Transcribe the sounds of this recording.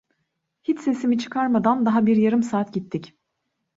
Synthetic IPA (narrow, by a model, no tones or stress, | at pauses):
hit͡ʃse̞simit͡ʃʰɯ̥kʰaɾmad̪and̪aɦabiɾjaɾɯmsaːt̪ɟit̪ʰːic